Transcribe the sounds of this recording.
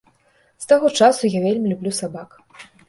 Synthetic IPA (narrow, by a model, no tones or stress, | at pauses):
st̪aɣɔt͡ʂasujavʲelʲmʲilʲublʲusabak